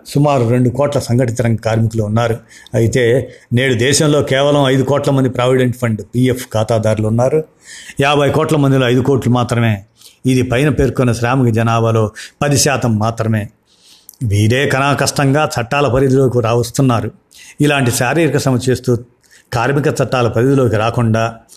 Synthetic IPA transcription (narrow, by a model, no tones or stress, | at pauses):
sumaːɾuɾe̞ɳɖukɔːʈlɐsɐŋɡɐʈ̬it̪ɐɾɐŋɡɐkaːɾmikɐluunːaːɾuɐjit̪e̞ːne̞ːɽud̪ɛːʃɐmlo̞ːkɛːʋɐlɐmɐjd̪ukɔːʈlɐmɐnd̪ipɾaːʋiɖeɳʈpʰɐɳɖpiːefʰkaːt̪aːd̪aːɾuluunːaːɾu | jaːbʱɐjkɔːʈlɐmɐnd̪iloːɐjd̪ukoːɾʈlumaːt̪ɾɐme̞ː | id̪ipɐjnɐpe̞ːɾkonːɐʃɾaːmɐkɐd͡ʒɐnaːbɐlo̞ːpɐd̪iʃaːt̪ɐmːaːt̪ɾɐme̞ː | ʋiːɽe̞ːkɐnaːkɐʂʈɐŋɡaːt͡ʃɐʈːaːlɐpɐɾid̪uloːkiɾaːʋɐst̪unːaːɾu | ilaːɳʈisaːɾiːɾikɐsɐmɐt͡ʃe̞ːst̪uː | kaːɾmikɐt͡ʃɐʈːaːlɐpɐɾid̪ulo̞ːkiɾaːkuɳɖaː